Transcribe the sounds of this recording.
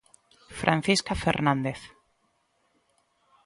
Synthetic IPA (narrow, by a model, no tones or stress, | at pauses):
fɾʔanθiskafḛɾnãnd̪eθ